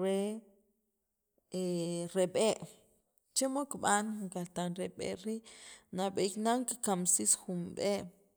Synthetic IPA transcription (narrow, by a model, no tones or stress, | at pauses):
ɾe | eɾeɓeːʔ | t͡ʃemokɓanŋkat̪anɾeɓḛʔɾiːʔnaɓeknaŋkkamsisxumɓeːʔ